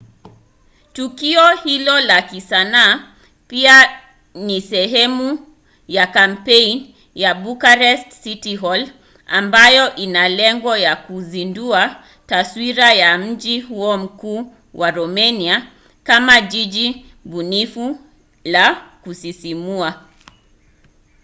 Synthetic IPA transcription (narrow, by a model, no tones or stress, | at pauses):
tukiɔhilɔlakisanaː | pia | nisɛɦɛmu | jakampɛin | jabukaɾɛstsitiɦɔl | ambajɔʔinalɛŋɡɔjakuzindua | taswiɾajam̩d͡ʒihuɔm̩kuː | wʔaɾɔmɛnia | kamad͡ʒid͡ʒi | bunifu | lakusisimua